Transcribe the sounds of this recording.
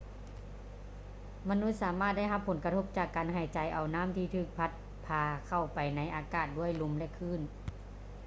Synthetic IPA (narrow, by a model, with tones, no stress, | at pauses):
ma˧nu˧˥t̪̚saː˨˦maː˥˩t̪̚da˥˩jɦa˧pʰːo˩˦nka˧t̪ʰo˧˥p̚t͡ɕaː˨˩kːaː˨nɦa˨˩jt͡ɕa˨˧˩jʔa˨˩wnaː˦˥˨mt̪ʰiː˧˩t̪ʰɯː˧˩k̚pʰa˧˥t̪̚ | pʰaː˧kʰa˧˩wpa˨jna˧˥jʔaː˨˩kaː˧˩t̪̚du˥˩əjlo˧˥mlɛ˧˨kʰɯː˧˥˨n